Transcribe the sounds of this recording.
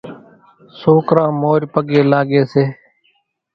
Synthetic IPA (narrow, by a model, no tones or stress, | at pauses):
soːkɾãːmoːɾpəɠeːlaːɠeːseː